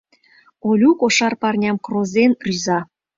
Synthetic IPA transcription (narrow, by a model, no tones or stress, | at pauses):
olʲukoʃɑrpɑrnʲɑmkrozenryzɑ